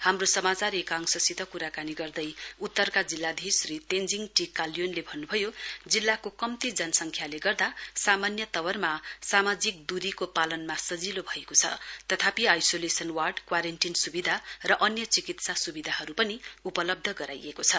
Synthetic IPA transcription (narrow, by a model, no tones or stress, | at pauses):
hamrosʌmat͡saɾekaŋsʌsit̪ʌkuɾakaniɡʌrd̪ʌjut̪ːʌrkad͡zilːad̪ʱisrit̪end͡ziŋʈikaljonlebʱʌnːubʱʌjod͡zilːakokʌmt̪id͡zʌnʌsʌŋkʰjaleɡʌrd̪asamanjʌt̪ʌwʌrmasamad͡zik̚d̪uɾikopalʌnmasʌd͡zilobʱʌekot͡sʰʌ̰t̪ʌt̪ʰapiajsolesʌnwarɖkwaɾenʈinsubid̪ʱarʌʔʌnjʌt͡sikit̪sasubid̪ʱaɦʌɾupʌniupʌlʌb̚d̪ʱʌɡʌɾa̰jekot͡sʰʌ